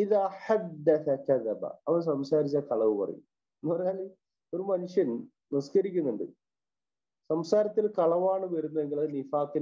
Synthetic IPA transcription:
iðaːħad̪ːɐθɐkɐðɐbɐ̰ɐʋɐns̬ɐmsaːɾit͡ɕːaːkɐɭɐʋɨpɐrɐ̰jṵm | pɐrejaːl | o̞ɾumɐnuʂjɐn | niskɐɾikʲːunːuɳɖɨ̰ | sɐmsaːɾɐt̪ːilkɐɭɐʋaːɳɨʋɐɾunːɐe̞ŋɡiɭɐðnifaːki

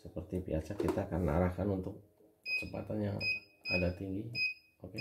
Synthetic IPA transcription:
səpərt̪ipḭat͡ʃakit̪aːkanːa̰ɾahkanunt̪ʊk̚ | səmpa̰t̪anjaŋadat̪iŋɡi | oke

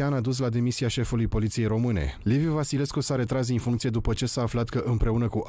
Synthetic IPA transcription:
anad̪us̬lad̪e̞misiaʃe̞fulujpo̞lit̪sije̞jɾo̞mɨnḛlivjuvasile̞skusaɾe̞t̪ɾaz̬infuŋkt̪sie̞d̪upət͡ʃe̞saːflat̪kəʔɨmpɾe̞unəkuʔ

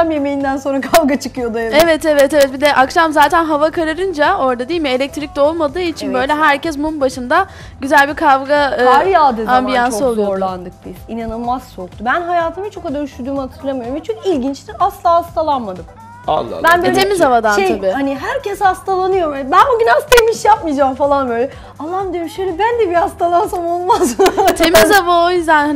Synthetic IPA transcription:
amje̞mejind̪ænso̞nɾakʰavɡat͡ʃʰɯkɯjo̞d̪ajevɛt̪evɛt̪evɛt̪̚bid̪ɛʔakʃamzaːt̪ʰænɦavakaɾaɾɯnd͡ʒao̞ɾd̪ad̪iilʲmɪelʲɛc̚t̪ʰɾic̚t̪ɛo̞lˠmad̪ɯːit͡ʃʰinbø̞jlʲɛɦæɾcɛsmumbaʃɯnd̪a | ɟyzælʲbiɾkʰavɡaɾjaːd̪ɯambijansɯolˠuooɾlˠand̪ɯk̚biz̥inanɯlˠmaz̥t͡ʃʰok̚t̪ʰubænɦajaːt̪ʰɯmɯt͡ʃʰo̞kad̪aɾyʃyɾd̪yːmhat̪ʰɯɾlˠamɯjoɾmit͡ʃʰynilʲɟint͡ʃlʲiasllˠaːhast̪ʰalˠanmad̪ɯm | a̰l̰ːˠbænbt̪ʰemizavad̪anʃʃejʰabiːhaniɦæɾcʰɛshast̪ʰalˠanɯjo̞ɾɛbænoɟynast̪ʰajmiʃjap̚mijd͡ʒaːmfalˠanbø̞jlʲɛ | alˠːamd̪ijoɾʃelʲɛbænd̪ɛbihast̪ʰalˠansamo̞lˠmazt̪emizavaojyzd̪ænhan

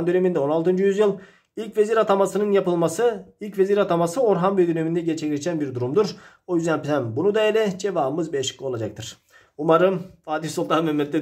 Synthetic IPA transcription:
nd̪ø̞ne̞mind̪ɛo̞nalˠt̪ɯnd͡ʒujyzjɯlˠ | ilʲcʲveziɾat̪ʰamasɯnɯnjapɯlˠmasɯilʲcve̞ziɾat̪ʰamasɯo̞ɾɦanbejd̪øne̞mind̪ɛɟet͡ʃʰeiɾt͡ʃʰænbiɾd̪uɾumd̪uɾ | ojyzd̪ænpʰiænbunud̪aelʲɛd͡ʒe̞vaːbɯmɯzbejeʃi̥klʲio̞lˠad͡ʒak̚t̪ʰɯɾ̥ | umaɾɯmaːd̪ifsulˠt̪ʰanmømːɛt̪ʰːɛ

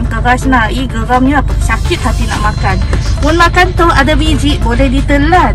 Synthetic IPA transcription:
mkəɾasnahiɡəɾamɲəapasakɪt̪̚hat̪ina̰ʔmakanmʊnmakant̪ʊhadabid͡ʒiʔ̚bolɛhdit̪əlːa

